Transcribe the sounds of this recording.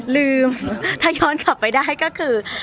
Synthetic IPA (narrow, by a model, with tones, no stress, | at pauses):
lɯː˧mt̪ʰaː˥˩jɔː˧˥nka˨˩pːa˧jdaː˥˩jkɔː˥˩kʰɯː˧